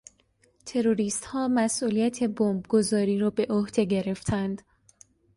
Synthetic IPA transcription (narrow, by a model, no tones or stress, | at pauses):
t̪ʰe̞ɾo̞ɾiːst̪hɒːmæsʔuːlijæt̪ʰe̞bombɡo̞zɒːɾiːɾɒːbe̞ʔohd̪̥e̞ɡe̞ɾe̞ft̪ʰænd̪